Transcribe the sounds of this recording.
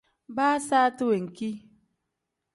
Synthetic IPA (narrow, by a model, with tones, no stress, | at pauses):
ba˦sa˦tʊ˦we˨ŋ̩˨ki˦